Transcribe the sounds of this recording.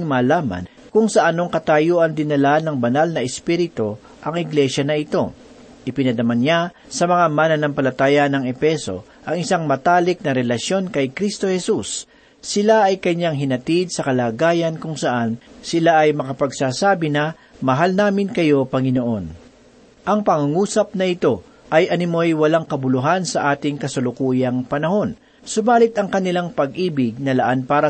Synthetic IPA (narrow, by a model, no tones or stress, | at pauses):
ŋmaːlaːmɐ̰n | kʊŋsɐʔɐnoŋkɐt̪aːjoːʔɐnd̪ɪnːɐlanɐŋbɐnalnɐʔɛspiɾɪt̪o̞ | ʔɐŋɪɡlɛʃɐnɐɪt̪o̞ | ʔɪpɪnɐd̪ɐmanja | sɐmɐŋamaːnɐnɐŋpɐlɐt̪aːjɐnɐŋɛfɛso̞̰ | ʔɐŋɪsaŋmɐt̪aːlɪk̚nɐɾɛlɐʃjo̞nkɐjkɾist̪o̞hɛsusː | ɪlaʔɐjkɐɲaŋɦɪnɐt̪id̪̚sɐkɐlaːɡaːjɐnkʊŋsɐʔansɪlaʔɐjmɐkɐpɐɡsaːsaːbɪnɐ | mɐɦalnaːmɪnkɐjo̞pɐŋɪno̞ʔo̞n | ʔɐŋpɐŋʊŋuːsɐp̚nɐɪt̪o̞ | ʔɐjʔɐnɪmo̞jwɐlaŋkɐbʊlʊɦansɐʔaːt̪ɪŋkɐsɐlʊkuːjɐŋpɐnɐɦo̞n | sobaːlɪt̪ɐŋkɐnɪlaŋpɐɡ̚ʔiːbɪɡ̚nɐlɐʔanpaːɾɐ